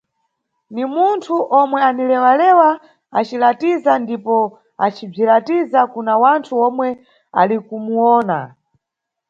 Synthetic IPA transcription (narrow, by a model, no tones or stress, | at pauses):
nimuntʰuʔɔmwɛanilɛwalɛwa | at͡ʃilatizandipɔ | at͡ʃib͡ʐilatizakunawantʰuɔmwɛ | a̰likumuɔːna̰